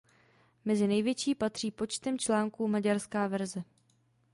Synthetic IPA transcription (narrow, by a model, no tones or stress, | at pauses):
mɛzɪnɛjvjɛt͡ʃiːpat̪r̥iːpo̞t͡ʃt̪ɛmt͡ʃlaːŋkuːmaɟaɾskaːvɛɾzɛ